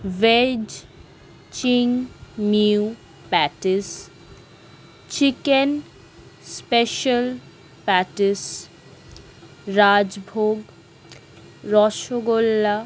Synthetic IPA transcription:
ʋed͡ʑ | t͡ɕiŋmiu | pɛʈis | t͡ɕiken | speʃəl | pɛʈis | ɾad͡ʑbʱoɡ | ɾɔʃoɡolːa

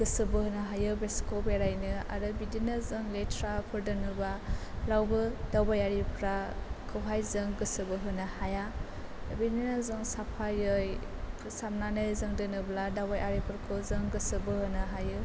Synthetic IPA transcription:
ɡ̥ɯsɯbɯhɯnɯɦajɯbeskɔbeɾajnɯa̰ɾɯbidinɯzɯŋletʰɾapʰɯɾdɯnɯbalawbɯdawbajaɾipʰɾakʰɯwɦajzɯŋɡɯsɯbɯɦɯnɯhaja | bininazɯŋsapʰajɯj | pʰsamnanɯzɯŋdɯnɯbladawbajʔaɾipʰɯɾkʰɯzɯŋɡɯsɯbɯhɯnɯɦajɯ

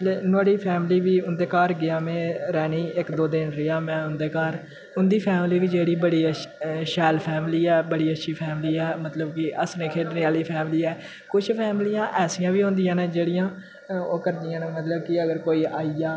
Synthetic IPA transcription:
lenaːɽiːpʰɛːmliːʋiːʊnd̪eːkaːɾɡɪaːmẽːɾɛːniːɪkd̪oːd̪ɪnɾɪjaːmɛ̃ːʊnd̪eːkaːɾ | ʊnd̪iːpʰɛːmliːʋiːd͡ʒeːɽiːbəɽiːəʃɛːlpʰɛːmliːɛːbəɽiːətːʃʰiːpʰɛːmliːɛːmət̪ləbkɪʔəsnẽːkʰeːʈneːaːliːpʰɛːmliːɛː | kʊt͡ʃʰpʰɛːmlijãːʔɛːsɪjãːʋiːɦõnd̪ɪjãːnẽːd͡ʒeːɽɪjãː | oːkəɾd̪ɪːãːnẽːmət̪ləbkɪəɡəɾkoːiːaːijaː

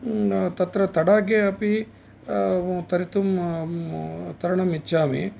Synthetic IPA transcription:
t̪ɐt̪ɾɐt̪ɐɽaːɡeɐpi | t̪ɐɾit̪um | t̪ɐɾɐɳɐmit͡ʃːaːmḭ

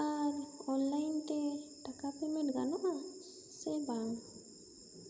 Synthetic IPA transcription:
aɾɔnlajntɛʈakapɛmɛʈɡanɔʔa | sɛbaŋ

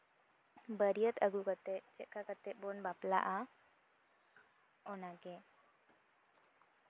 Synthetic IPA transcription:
bəɾijət̪əɡukət̪eʔt͡ʃɛʔkʰakət̪ebɔnbapla̰ʔa | ɔnaɡe

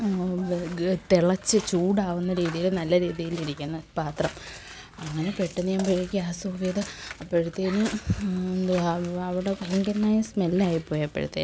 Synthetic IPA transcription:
t̪iɭɐt͡ɕːɨt͡ɕuːɽaːʋunːɐɾiːðijilnɐlːɐɾiːðijiliɾikʲːunːɐpaːt̪rɐm | ɐŋːɐne̞peʈːɐnːɨɲaːmpeɻikʲːiaːsoːʋid̪ɐɐpːeɻut̪ːenɨ | d̪ɐʋiɽekɐlɐŋɡɐɾnaːjismelːaːjipːo̞ːjɐpːḛɻut̪ːḛ

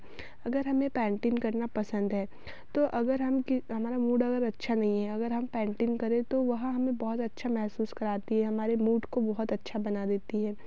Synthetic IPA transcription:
ɐɡəɾɦɐmẽpɛ̃ːɳʈɪnkɐɾnapɐsə̃nd̪ɦɛː | t̪oːʔɐɡəɾɦɐmkɪɦɐmaːɾamuːɖɐɡəɾɐtːʃʰanɐɦĩɦɛɐɡəɾɦɐmpɛ̃ːɳʈɪnkɐɾẽt̪oʋɐɦɦɐmẽbɐɦʊt̪ɐtːʃʰamɛɦsuːskɐɾaːt̪iɦɛɦɐmaːɾemuːɖkobɐɦʊt̪ɐtːʃʰabɐnad̪eːt̪iɦɛː

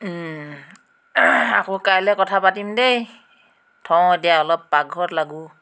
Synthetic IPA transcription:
akɔkajlɛkɔtʰapatimdej | tʰɔ̃etijaɔlɔp̚ːaɡʱɔtlaɡu

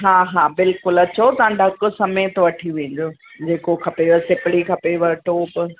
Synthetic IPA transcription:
ɦaːɦaːbɪlkʊlɐt͡ɕot̪ɐãɖʱɐkʊ̆sɐmẽt̪oʋɐʈʰiʋẽːɲ̆d͡ʑoːd͡ʑeːkokʰɐpeʋɐsɪpɪɽikʰɐpeʋɐʈoːp

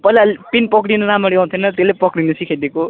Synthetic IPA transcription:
pʌilalpinpʌkɽinʌnamʌɽiãw̃nt̪ʰinʌt̪elepʌkɽinʌsikʰajd̪eko

